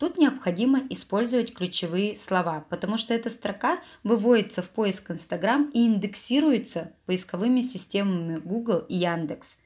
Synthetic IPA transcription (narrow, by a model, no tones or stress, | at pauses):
t̪ut̪nʲɪɐpxɐdʲiməʔɪspo̞lʲzəvətʲklʲʉt͡ɕɪvɨjɪslˠɐvapət̪ɐmuʂt̪oɛt̪əst̪ɾɐkavɨvo̞dʲɪt̪səfpo̞ɪskɨnst̪ɐɡɾamiːnd̪ɨksʲiɾʊjɪt̪səpəɪskɐvɨmʲɪsʲɪsʲtʲe̞məmʲɪɡuɡlˠijand̪ɨks